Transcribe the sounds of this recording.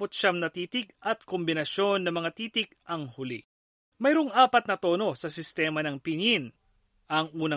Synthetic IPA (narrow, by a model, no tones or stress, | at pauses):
pʊt̪̚ʃamnɐt̪iːt̪ɪk̚ʔɐt̪̚kombɪnɐʃo̞nːɐmɐŋat̪iːt̪ɪk̚ʔɐŋhʊlḭ | mɐjɾoŋʔaːpɐt̪nɐt̪o̞ːno̞sɐsɪst̪ɛːmɐnɐŋpɪnin | ʔɐŋʔuːnɐ